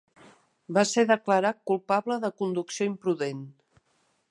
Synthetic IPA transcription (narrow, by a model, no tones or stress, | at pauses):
baseðəkləɾat̪̚kulˠpaβləðəkund̪uksioimpɾuðen